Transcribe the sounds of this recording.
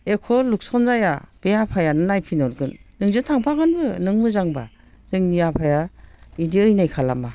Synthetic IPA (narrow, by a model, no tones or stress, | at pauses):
ekʰɔluk̚sɔnzajab̥ejapʰajanɯnajpʰinɔɾɡɯnːɯŋzɯtʰaŋpʰaɡɯnbɯnɯŋmɯzaŋba̰ | ɾɯŋnijapʰajaidiɯjnajkʰala̰ma